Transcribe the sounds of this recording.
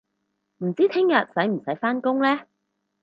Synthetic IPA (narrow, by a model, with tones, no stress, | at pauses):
m̩˨˩t͡siː˥t̪ʰɪ˥ŋjɐ˨t̚sɐ˨˥jm̩˨˩sɐ˨˥jfaː˥nkʊ˥ŋlɛː˥